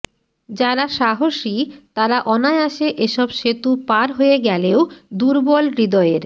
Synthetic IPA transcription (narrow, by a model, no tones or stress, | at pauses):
d͡ʑaɾaʃaɦoʃit̪aɾaʔɔnaeaʃeʔeʃɔbʃet̪upaɾɦojeɡɛleod̪uɾbɔlɡɾid̪ɔeɾ